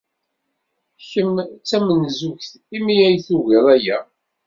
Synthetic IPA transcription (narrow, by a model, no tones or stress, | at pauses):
çəmt͡sːæmənzuçθ | imijæjθuɣiɾˤæjæ